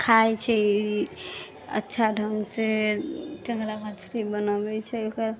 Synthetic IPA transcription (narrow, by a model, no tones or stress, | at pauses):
kʰajt͡ʃʰɛ | ə̰tːʃʰadʱəmseʈəŋɡɾamat͡ʃʰu̥ɾibənəbɛt͡ʃʰɛokəɾ